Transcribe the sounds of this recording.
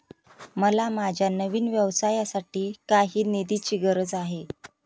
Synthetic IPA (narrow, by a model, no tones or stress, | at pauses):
məlamad͡ʑʱjanəʋiːnʋjəʋsajasaʈiːkaɦiːned̪it͡ɕiːɡəɾəd͡zaɦe